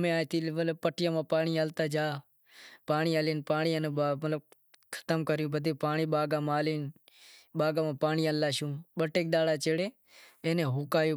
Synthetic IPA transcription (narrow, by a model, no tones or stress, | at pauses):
mẽːaːt̪iːlməlpəʈɪjãːmãːpaːɳiːaːlt̪aːd͡ʒaː | paːɳiːaːliːnpaːɳiːənːamət̪lə | kʰə̥t̪əmkəɾjũːbəd̪ʱeːpaːɳiːɓaːɡãːmaːliːn | ɓaːɡãːmãːpaːɳiːaːlːaːʃũːɓəʈeːk̚ɗ̪aːlaːt͡ʃeːɽeː | eːneːɦoːkaːjoː